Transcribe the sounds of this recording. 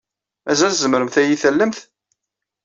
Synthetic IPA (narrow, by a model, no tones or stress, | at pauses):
æzælzəmɾəmθæjiθælːəmθ